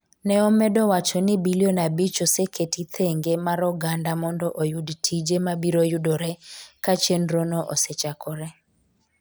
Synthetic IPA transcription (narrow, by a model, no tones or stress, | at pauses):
nɛɔmɛdɔwat͡ʃɔnɪbilionabit͡ʃosekʰetit̪ʰeŋɡemaɾɔɡandamɔndɔʔojudtʰid͡ʒemabiɾojudɔɾɛkat͡ʃenɾonɔʔo̰set͡ʃakʰɔɾɛ